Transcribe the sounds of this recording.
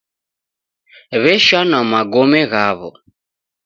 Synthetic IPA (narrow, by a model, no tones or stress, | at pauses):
βɛʃanamaɡɔmɛɣaβɔ̰